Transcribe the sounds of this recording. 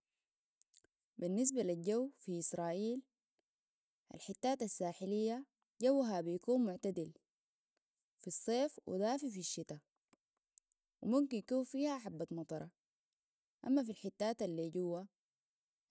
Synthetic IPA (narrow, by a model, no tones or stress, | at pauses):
binːis̬balilɟawːfiʔisɾˤɑːʔiːl | ʔa̰lħɪt̪ːaːt̪asːaːħilijːa | ɟawːɦabijakuːnmʊʕt̪ad̪il | fisˤːeːfwʔḭd̪aːfifiʃːit̪a | wimumkinjakuːnfiːhaħabːat̪mɑt̪ˤɑɾˤɑ | ʔamːafilħɪt̪ːaːt̪alːiːɟuwːa